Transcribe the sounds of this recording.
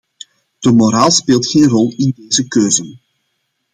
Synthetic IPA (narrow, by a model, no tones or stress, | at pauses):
d̥əmoɾaːlˠspeːlˠtxeːnrɔlˠɪndeːzəkøːzən